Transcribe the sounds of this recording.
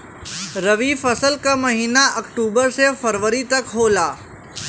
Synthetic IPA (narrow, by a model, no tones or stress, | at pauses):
ɾɐʋifɐsəlkamɐɦiːnaʔɐkʈuːbəɾsefəɾʋəɾit̪ɐkɦoːlaː